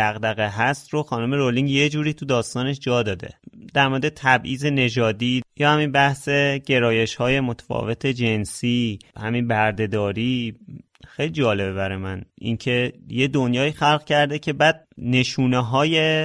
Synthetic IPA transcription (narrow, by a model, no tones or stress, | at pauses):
æɣd̪æɣeɦæst̪roxɒːnome̞ɾoliŋɡje̞d͡ʒuːɾiːt̪ʰud̪ɒːst̪ɒːne̞ʃd͡ʒɒːd̪ɒːd̪e̞̰d̪̥æɾmoɾed̪et̪ʰæbʔiːze̞ne̞d͡ʒɒːd̪iːjɒːhæminbæhse̞ɟe̞ɾɒːje̞ʃhɒːje̞mot̪ʰæ̥fɒ̰ːve̞t̪ʰe̞d͡ʒe̞nsiːhæminbæɾd̪e̞d̪ɒːɾiː | xe̞jlid͡ʒɒːle̞bebæɾemænʔḭncʰe̞je̞d̪onjɒːiːxælɣcʰæɾd̪ecʰe̞bæːd̪̥̚ne̞ʃuːneɦɒːje